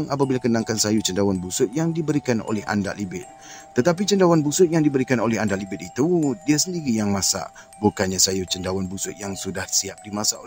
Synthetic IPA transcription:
ŋap̬abilakənãŋkansajut͡ʃəndawanbusʊt̪̚jaŋdibəɾikano̰lɛɦa̰nda̰ʔlibɪt̪̚ː | ət̪ap̬it͡ʃəndawanbusʊt̪̚jaŋdibəɾikanolɛɦandaʔlibɪt̪̚it̪udiasəndiɾijaŋmasa̰ | bukanɲasajut͡ʃəndawanbusʊt̪̚jaŋsudahsiap̚dimasao

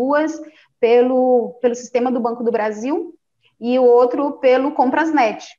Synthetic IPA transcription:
uɐs | pelʊpelʊsi̥st̪ẽmɐd̪ʊbɐ̃kʊd̪ʊbɾaziw | ɪʊowt̪ɾʊpelʊkõpɾɐznɛt͡ʃɪ̥

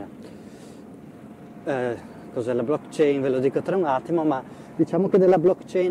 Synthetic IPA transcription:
kozɛlablɔkːt͡ʃɛjnvelod̪iːkot̪ɾaunat̪ːimoma | d̪̥it͡ʃaːmoked̪elːablɔkːt͡ʃɛjn

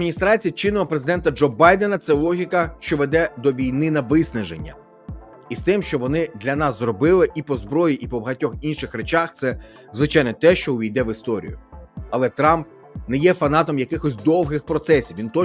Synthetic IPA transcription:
minʲist̪ɾɑt͡sʲijɐt͡ʃɪnɪlɐpɾezɪd̪ɛnt̪ɐd͡ʒɔbɑjd̪ɛnɐt̪sɛlˠɔɦʲikɐʃt͡ʃɔʋed̪ɛd̪ɔʋʲijnɪnɐʋɪsnɐʒḛnʲːɐ̰ | ist̪ɪmʃt͡ʃɔʋɔnɪd̪lʲɐnɑszrɔbɪlˠɪʔipɔzbɾɔjiʔipɔbɐɦɐtʲɔxinʃɪxɾet͡ʃaxt̪sɛ | zʋɪt͡ʃajnɛt̪ɛʃt͡ʃɔʊʋʲijd̪ɛʋɪst̪ɔɾʲḭjʊ̰ɐlˠɛt̪ɾɑmp̚ | nɛjɛfɐnɑt̪ɔmjɐkɪxɔsʲd̪ɔwɦɪxpɾɔt̪sɛsʲiwʋʲint̪ɔ

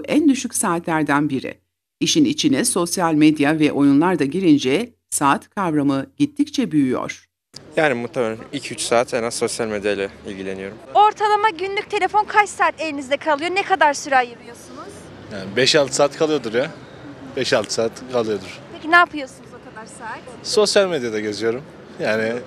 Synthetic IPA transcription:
ʔænd̪yʃycʲsaːt̪ʰlʲæɾd̪ænbiɾɪ̰ | iʃinit͡ʃʰinɛso̞sjalʲmed̪javɛʔo̞junlˠaɾd̪aɟiɾind͡ʒɛ | saːt̪kʰavɾamɯɟit̪ʰːict͡ʃʰɛbyjyjo̰ɾ̥ | jaːnimut̪ʰameilʲcʰyt͡ʃsaːt̪hɛnazːo̞sjalʲmed̪jajlʲɛilʲɟilʲe̞nijo̞ɾumo̞ɾt̪ʰalˠamaɟynlʲyc̚ʲt̪ʰe̞lʲe̞fo̞nkʰat͡ʃsaːt̪elʲinizd̪ɛkʰalˠɯjo̞nɛkʰad̪aɾsyɾajapɯjo̞sunuz̥ | jaːnibɛʃalˠt̪ʰɯ̥saːt̪kʰalˠɯjo̞d̪uɾja | bɛʃalˠt̪ʰɯ̥saːt̪kʰalˠɯjo̞d̪uɾ̥pʰecinaːpʰɯjo̞sunuzokad̪aɾsat̪so̞sjalʲmed̪jad̪aɟe̞zijo̞ɾum | jaːnɪ

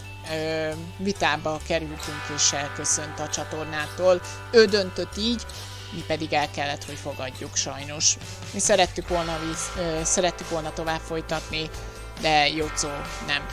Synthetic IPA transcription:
øː | vit̪aːbɒkɛɾylt̪yŋkeːʃɛlkø̞sø̞nt̪ɒt͡ʃɒt̪o̞rnaːt̪oːl | øːd̪ø̞nt̪ø̞t̪ːiːɟ | mipɛd̪iɡɛlkɛlːɛt̪ho̞cfo̞ɡɒɟːukʃɒjno̞ʃ | misɛɾɛt̪ːykʋo̞lnɒvisɛɾɛt̪ːykʋo̞lnɒt̪o̞vaːpfo̞jt̪ɒt̪ni | d̪ɛjot̪soː | nɛm

